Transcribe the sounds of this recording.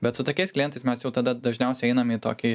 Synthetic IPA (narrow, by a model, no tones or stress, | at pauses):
bʲɛt̪sʊt̪oːkʲɛɪsklʲiɛnt̪ɐɪsmʲɛsjɛʊt̪ɐd̪ɐd̪ɐʒʲnʲɛʊsʲɛɪɛɪnɐmiːt̪oːkʲɪ